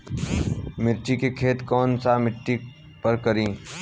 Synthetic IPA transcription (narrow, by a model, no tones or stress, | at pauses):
mɪɾt͡ʃikekʰeːt̪kɔːnsamɪʈːi | pɐɾkɐɾĩː